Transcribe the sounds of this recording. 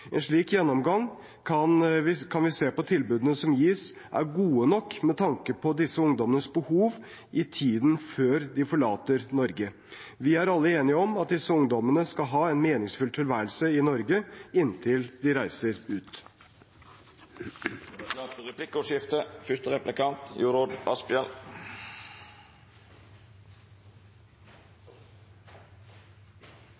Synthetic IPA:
ɛnʂɭiːkjɛnːɔmɡɑŋ | kʰɑnʋɪkʰɑnʋɪseːpɔt̪ʰɪlbʉːd̪ənəsɔmjiːs | ʔæ̰ɾɡuːənɔkːmɛt̪ʰɑŋkəpʰɔd̪ɪsːəʊŋd̪ɔmənəsbəhuːʋ | ʔɪt̪ʰiːd̪n̩føːɾd̪ɪfɔɭɑːt̪əɾnɔɾɡə | ʋɪæɾɑlːəeːnɪəɔmɑt̪̚d̪ɪsːəʊŋd̪ɔmənəskɑlɦɑːɛnmeːnɪŋsfʉlt̪ʰɪlʋæːɾəlsəɪnɔɾɡəɪnt̪ʰɪld̪ɪɾæɪsəɾʉːt̪ | ɾɛplɪkːʊʂɪft̪əfʏst̪əʁɛplɪkɑnt̪juːɾod̪ɑ̰spɪɛl

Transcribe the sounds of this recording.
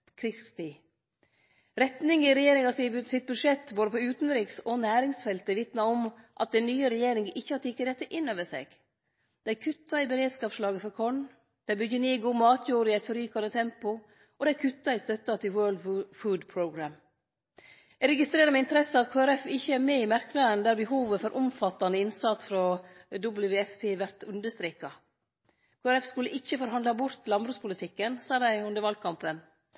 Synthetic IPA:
kʰɾɪst̪ɪ | ɾɛt̪nɪŋɪɾɛjeːɾɪŋɑsɪsɪt̪̚bʉd̪ʂɛt̪ːboːd̪əpɔʉːt̪nɾiːksɔnæːɾɪŋsfɛlt̪əʋɪt̪nɑɔmʔɑ̰t̪̚d̪ɛnyːəɾɛjeːɾɪŋəʔɪçːəhɑt̪ːɪkːəd̪ɛt̪ːəʔɪnːøːʋəsɛ̰ːɡ̥ | d̪̥ɛæɾkʰʉt̪ːɑɪbəɾeːd̪skɑːʋʂlɑːɡəfɔɾkʰɔɳ | d̪̥æɪbʏɟːəneːɡuːmɑːt̪ʰjuːɾɪɛɪt̪fɔɾyːkɑnd̪ət̪ʰɛmpʊ | ʔɔːd̪æɪkʰʉt̪ːɑɪst̪œt̪ːɑt̪ʰɪlwɜːld̪fʉːd̪pʰɹoʊɡɾæm | æɾɛɡɪst̪ɾeːɾəmɛɪnt̪əɾɛsəɑt̪kʰoːæɾɛfɪçːəæɾmeːɪmæɾknɑənd̪æːɾbəɦuːʋəfɔɾʔʊmfɑt̪ːɑnəɪnsɑt̪sfɾɔd̪ʊblʋeːɛfpʰeːʋæɾt̪ʉnd̪əʂst̪ɾeːkɑ | kʰoːæɾɛfskʉlːəʔɪçːəfɔɾɦɑnd̪lɑbʊɾt̪ʰlɑnbɾʉːspʰʊlɪt̪ʰɪkːənsɑːd̪æɪʉnd̪əɾʋɑl̚kʰɑmpən

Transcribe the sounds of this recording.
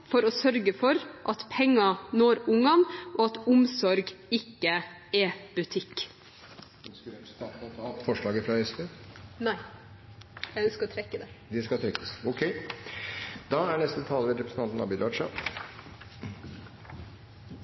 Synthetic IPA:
fɔɾɔsœɾɡəfɔɾʔɑt̪pʰɛŋːɑnoːɾʊŋɑnʔoːɑt̪ʊmsɔɾɡɪkːə | ɛbʉt̪ʰɪk | kt̪ɑt̪ʰɑfɔʂɭɑːɡəfɾɑɛspenæɪ | jæɪœnskəɾɔt̪ʰɾɛkːəd̪ɛd̪ɛskɑt̪ʰɾɛkːə̥sɔkʰɛɪ | d̪ɑæɳɛst̪ət̪ʰɑːlːəʋɛɾɛpɾɛsn̩ʰɑnt̪n̩ɑ̰bɪd̪ʋɑːʂɑ̰

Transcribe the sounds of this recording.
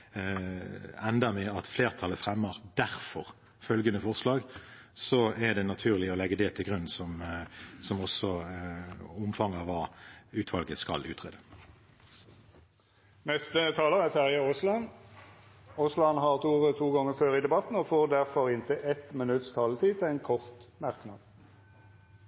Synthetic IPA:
ɛnd̪əmɛɑt̪fleːʁt̪ʰɑləfʁɛmːəʁd̪̥æʁfɔʁ | fœlɡənəfɔʁslɑːɡsɔɛd̪ɛnɑt̪ʰʉːʁlɪɔlɛɡːəd̪ɛt̪ʰɪlɡʁʉnsɔmsɔmɔsːɔ | ʊmfɑŋɑʋːɑːʉːt̪ʰʋɑlɡəskɑ̰lʉ̰ːt̪ʰʁeːd̪ə | nɛst̪ət̪ʰɑːləʁɛsæʁjɑoslɑn | oslɑnɦɑʁt̪ʰuːʁət̪ʰuːɡɔŋːəføːʁid̪ɛbɑt̪n̩ɔfoːʁd̪æʁfɔʁɪnt̪ʰəʔɛt̪mənʉt̪st̪ʰɑːlt̪ʰiːt̪ɛɪnkʰɔʁt̪mæʁknɑd̪

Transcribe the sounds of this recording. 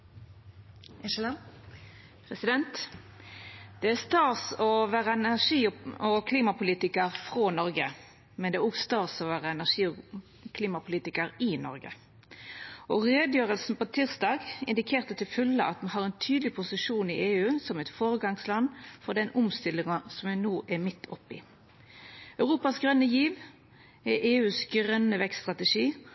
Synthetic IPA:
pʰʁɛsɪd̪ɛnt̪ | d̪̥ɛæʁst̪ɑːsɔʋæːʁəɛnæʁʂiːɔkʰliːmɑpʊliːt̪ɪkəʁfʁoːnɔɾɡə | mɛnɛæɔɡst̪ɑːʁsɔːʋæːʁəɛnæʁʂiːɔ | kʰliːmɑpʰʊliːt̪ɪkəʁɪnɔ̰ʁɡə̰ | ʔɔʁeːd̪jøːʁəlsn̩pot̪ʰɪʁsd̪ɑːɡɪ̰nd̪ɪkʰeːʁt̪ət̪ʰɪlfʉlːəʔɑt̪mɑnɦɑːʁɛnt̪ʰyːd̪lɪpʰʊsɪʂuːnɪʔeːʉːsɔmɛɪt̪foːʁəɡɑŋslɑnːfɔʁd̪ɛnʊmst̪ɪlːɪŋɑsɔmænoːʔɛmɪt̪ʰːɔpːɪ̰ | œʉʁuːpɑsɡʁœnəjiːʋ | ɛʔeːʉːsɡʁœnəʋɛksst̪ʁɑt̪əʂiː

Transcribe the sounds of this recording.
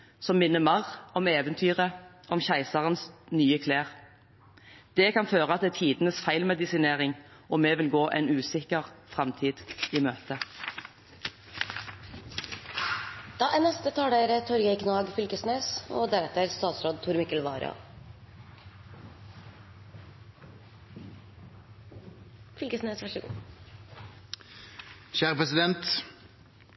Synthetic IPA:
sɔmːɪnːəmɑʁɔmeːʋənt̪ʰyːʁə | ʔɔmçæɪsɑʁənsnyːəkʰleːʁ | d̪̥ɛkʰɑnføːʁəɑt̪d̪ɛːt̪ʰiːd̪nəsfæɪlmɛd̪ɪsɪneːʁɪŋʔɔmeːʋɪlɡoːʔɛ̰nʉːsɪkəʁfʁɛmt̪ʰiːd̪̥iːmøːt̪ə | d̪̥ɑːʔænɛst̪ət̪ʰɑːɖeːɾət̪ʰɔɾɡɛɪkʰnɑːɡfʏlkəsneːso̰ːd̪æɾɛt̪əɾst̪ɑːt̪sɾoːd̪̚t̪ʰʊɾmɪkəlʋɑːɾɑ̰ | fʏlkəsneːsʋæʂɪɡṵː | çæːʁəpʰʁɛsɪd̪ɛnt̪

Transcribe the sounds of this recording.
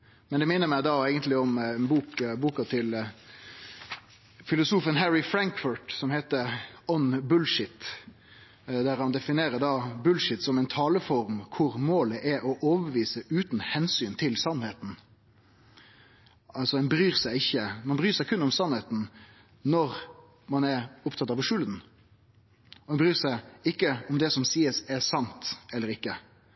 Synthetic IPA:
mɛnd̪ɛmɪnːəɾmæɪd̪ɑːeɪɡənt̪lɪɔmnbuːkbuːkɑt̪ʰɪl | fɪlʊsuːfənɦæɹɪfɾæŋkfʊʈsɔmhet̪əɔnbʉlʂɪt̪ | d̪æɾhɑnd̪ɛfɪneːɾəd̪ɑːbʉlʂɪt̪sɔmɛɪnt̪ʰɑːləfɔɾmkʰʊɾmoːləʔæʔɔʔoːʋəʋiːsəʔʉːt̪n̩hɛnsyːnt̪ʰɪlsɑnheːt̪n̩ | ɑlsɔɛnbɾyːɾsæɪɪçːəmɑnbɾyːɾsæɪkʰʉnːɔmsɑnheːt̪n̩ | nɔɾ | mɑnæɾʊpt̪ʰɑt̪ɑːʋəʂʉld̪n̩ | ɔd̪ɛnbɾyːɾsæɪɪkːəɔmd̪ɛsɔmsiːəsɛɾsɑnt̪ɛlːəɾɪkːə

